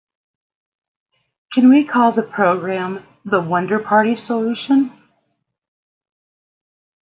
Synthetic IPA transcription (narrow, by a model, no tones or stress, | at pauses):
kʰɨ̃nwikʰɔlˠðəpʰɹ̥oʊɡɹæ̃m | ðəwʌ̃ndə˞pʰɑɹɾisəlʉʃə̃n